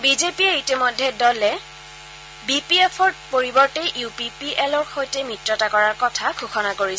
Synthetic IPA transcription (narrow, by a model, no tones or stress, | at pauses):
bizepiɛitimɔjdʱːɛdɔlɛ | bipiepʰɔɹpoɹibɔɹtɛʔupipiʔɛlɔɹxojtɛmitɹɔtakɔɹaɹkɔtʰaɡʰʱuxɔnakoɹis